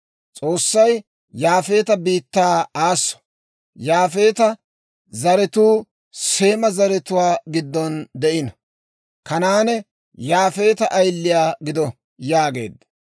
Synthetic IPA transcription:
t͡sʼo̞ːsːɐj | jaːfe̞ːt̪ɐbiːt̪ːaːaːsːɔ̥ | jaːfe̞ːt̪ɐ | zɐɾɛt̪uː | se̞ːmɐzɐɾɛt̪ʊwaːɡɪd̪ːɔnd̪ɛʔɪnɐ | kɐnaːnɛ | jaːfe̞ːt̪ɐʔɐjlːɪjaːɡɪd̪ɔ | jaːɡe̞ːd̪ːɐ̥

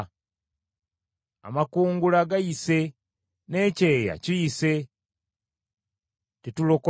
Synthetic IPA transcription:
a̰makuːŋɡulaɡajise̞ | ne̞ːce̞ːja̰cijise̞ | titulo̞ko

